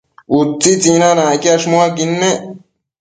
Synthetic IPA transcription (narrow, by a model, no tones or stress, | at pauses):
ut̪ːit͡sinanãːkiɐʂmuakinːe